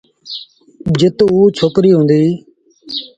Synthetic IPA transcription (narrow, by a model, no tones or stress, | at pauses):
d͡ʒɪt̪uːt͡ʃʰoːkɾiːɦõːnd̪iː